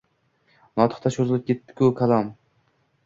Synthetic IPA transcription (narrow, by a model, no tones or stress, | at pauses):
mɒt̪ʰɨ̥χt̪ʰaʃozɨlˠɪp̚kʲʰet̪ːɪ̥kʲʰukʰalˠam